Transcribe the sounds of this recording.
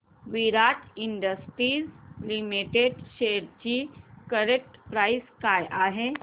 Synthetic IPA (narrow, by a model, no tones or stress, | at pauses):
ʋiɾaʈʰiɳɖəsʈɾiːzlimiʈeɖɕeɾt͡ɕikəɾek̚ʈpɾajskajʔaɦe